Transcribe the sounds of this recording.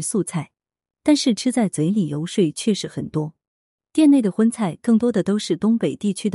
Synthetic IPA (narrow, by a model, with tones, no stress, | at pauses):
su˥˧t͡sʰa˥˩ɪ | t̪a˥˧nʂɻ̩˥˩ʈ͡ʂʰɻ̩˥t͡sa˥˩ɪt͡swe˧˥ɪli˨˩jo˧˥ʊʂwe˥˩ɪt͡ɕʰɥɛ˥˧ʂɻ̩˥xə˨˩nt̪wɔ˥ | t̪jɛ˥˧ne˥˩ɪd̪ə˩xwə˥nt͡sʰa˥˧ɪkɤ˥˩ŋt̪wɔ˥d̪ə˨t̪o˥ʊʂɻ̩˥˩t̪ʊ˥ŋpe˨˩ɪt̪i˥˩t͡ɕʰy˥d̪ə˨